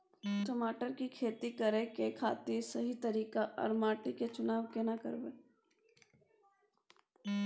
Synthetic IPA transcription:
ʈɐmaːʈəɾkikʰeːt̪ikɐɾekekʰa̰ːt̪iɾsɐɦit̪ɐɾiːkaʔɐ̰ɾmaːʈiket͡ʃʊnaːʋkenakɐ̰ɾbeː

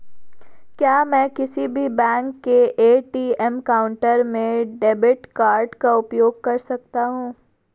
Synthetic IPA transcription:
kjaːmɛ̃ːkɪsibʱibɛ̃ːŋkːeeːʈiːɛmkaːʊ̃ɳʈəɾmẽɖeːbɪʈkaːɾɖkaʊpjoːɡ̚kɐɾsɐk̚t̪aɦũː

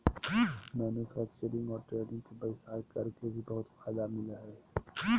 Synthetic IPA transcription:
mɛːnufɛːk̚t͡ʃəɾɪ̃ŋɡɔːɾʈɾeːlɪ̃ŋkebəɪsaːkɐɾkebʱibɐɦʊt̪faːd̪amɪləɦɛ

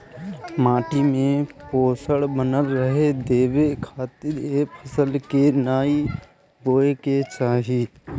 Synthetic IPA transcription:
maːʈimẽpoːsəɽbənəlɾəɦed̪eːʋekʰaːt̪ɪɾeːpʰəsəlkenaːi | boːeket͡ʃaːɦi

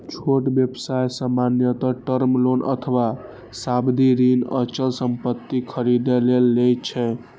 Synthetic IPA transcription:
t͡ʃʰoʈbjebsajsəmanjət̪əʈəɾmlonə̰t̪ʰəwa | sabd̪ʱiɾinə̰t͡ʃəlsəmpət̪ːikʰəɾid̪elelːet͡ʃʰɛ̃

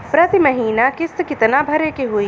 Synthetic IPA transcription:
pɾɐt̪imɐɦiːnakɪskɪt̪nabʱɐɾekeɦʊi

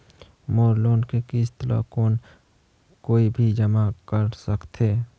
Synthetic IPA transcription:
moːɾloːnkekist̪əla̰ːkoːn | koːibʱid͡ʒəmakəɾsəkt̪ʰeː

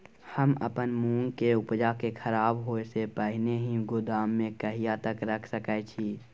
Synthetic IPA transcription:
həmə̰pənmũːŋɡkeʊpd͡ʒakekʰəɾaːbɦoːesepəɦɪneɦĩɡʊd̪aːmːẽkəɦijat̪əkɾəkʰsəkɛt͡ʃʰiː

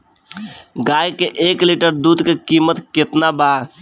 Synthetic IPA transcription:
ɡaːjkeʔeːkliʈəɾd̪uːd̪kekimət̪kɪt̪nabaːɾ

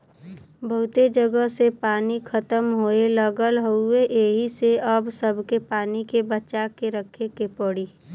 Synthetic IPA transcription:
bəɦʊt̪ed͡ʒəɡəɦsepaːnikʰət̪əmɦoːeləɡəlɦoʊeʔeːɦiseɐbsəbʱkepaːnikebət͡ʃakeɾəkʰekepəɽiː

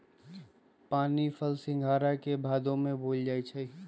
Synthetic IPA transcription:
paːnipʰəlsɪ̃ŋɡʱaːɾakebʱaːd̪õmẽboːld͡ʒaːit͡ʃʰɛ

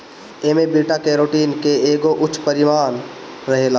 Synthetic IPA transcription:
eːmebiːʈakeɾoːʈiːnkeeːɡoʔʊt͡ʃʰːpəɾɪʋaːn | ɾɐɦeːlaː

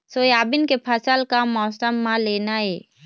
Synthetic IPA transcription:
sojaːbɪnkepʰəsəlkamɔːsʈəmːãleːnaeː

